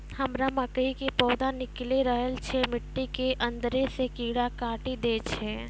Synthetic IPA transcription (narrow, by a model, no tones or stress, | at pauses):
həmɾaməkəikepɔːd̪anɪkleɾəɦəlt͡ʃʰemɪʈːikeʔə̃nd̪əɾesekiːɽakãːʈid̪eːt͡ʃʰɛ